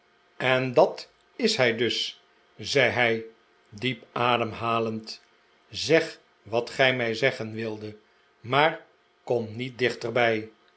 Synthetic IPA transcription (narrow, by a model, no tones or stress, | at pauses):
ɛndɑt | ɪsɦɛjdɵs | zɛjɦɛj | dipaːdəmɦaːlənt | zɛχ | ʋɑtχɛjmɛjzɛχənʋɪlˠdə | maːɹ | komnit̚dɪχtərbɛj